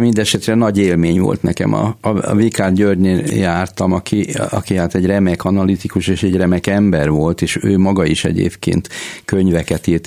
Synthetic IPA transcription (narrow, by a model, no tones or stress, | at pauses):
mind̪ɛʃɛt̪rɛnɒɟeːlmeːɲvo̰lt̪nɛ̰kɛ̰mɒ̰vikaːd̪ɟøːrɟneːljaːrt̪ɒmɒkʰiɒ̰kiɦaːt̪ɛɟrɛmɛkɒnɒlit̪ikuʃeːʃɛɟrɛmɛkɛmbɛrvo̞lt̪eːʃøːmɒɡɒiʃɛ̰ɟḛːpkḛːnt̪køɲvɛkɛt̪irt̪